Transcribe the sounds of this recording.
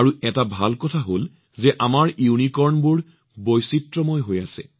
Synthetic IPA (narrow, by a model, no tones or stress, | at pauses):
aɹuʔɛtabʱalkɔtʰaɦol | zɛʔamaɹjunikɔɹnbuɹ | bojsitɹɔmɔjɦojasɛ̰